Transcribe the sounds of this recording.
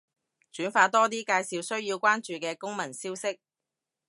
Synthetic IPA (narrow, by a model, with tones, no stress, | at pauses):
t͡ʃyː˨˥nfaː˧t̪ɔː˥t̪̬iː˥kaː˧jsiː˨˧wsɵ˥ɥjiː˧wkʷwaː˥nt͡ʃyː˨kɛː˧kʊ˥ŋmɐ˨˩nsiː˥wsɪ˥k̚